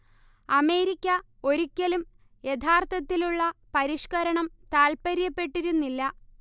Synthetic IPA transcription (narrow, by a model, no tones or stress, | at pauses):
ɐme̞ːɾikʲːɐ | o̞ɾikʲːɐlum | jet̪ʰaːrt̪ɐt̪ːiluɭːɐpɐɾiʂkɐɾɐɳɐmt̪aːlpɐɾjɐpːe̞ʈːiɾunːilːɐ